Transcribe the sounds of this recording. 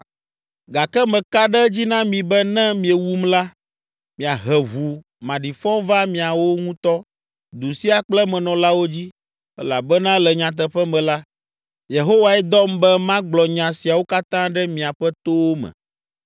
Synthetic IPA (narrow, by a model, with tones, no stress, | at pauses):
ɡa˨kɛ˦mɛ̃˨ka˦ɖɛ˦d͡ʑi˦nã˦mĩ˨bɛ˦nɛ̃˦mĩ˨ɛ˨wu˦mla˦ | mĩ˨a˨ɦɛ˨ɦu˨ | mã˨ɖi˨fɔ˦va˦mĩ˨a˨wo˦ŋũ˦t̪ɔ˦ | d̪u˨si˦a˨k͡plɛ˦mɛ̃˨nɔ̃˨la˦wo˦d͡ʑi˦ | ɛ˦la˨bɛ˦nã˦lɛ˨ɲã˨t̪̬ɛ˨ɸɛ˦mɛ̃˨la˦ | je˨ɦo˦wa˨ɛ˦d̪ɔ˦mbɛ˦mã˦ɡ͡blɔ˨ɲã˨si˨a˨wo˦ka˦t̪ã˦ɖɛ˦mĩ˨a˨ɸɛ˦t̪o˦wo˦mɛ̰̃˨